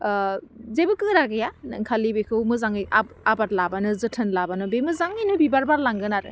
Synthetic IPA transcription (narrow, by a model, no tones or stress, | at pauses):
zebɯkɯɾaɡɯjanɯŋkʰalibekʰɯwmɯzaŋɯja | abatlabanɯzɯtʰɯnlabanɯbemɯzaŋɯjnɯbibaɾbaɾlaŋɡɯnaɾɯ̰